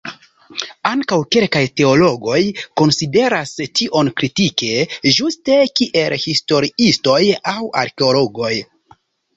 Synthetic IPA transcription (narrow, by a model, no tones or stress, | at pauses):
aŋkawke̞lkajte̞o̞lo̞ɡo̞jko̞nside̞ɾastiʔo̞nkɾitike̞ʒuste̞kiʔe̞lhisto̞ɾiisto̞jawa̰ɾkeo̞lo̞ɡo̞j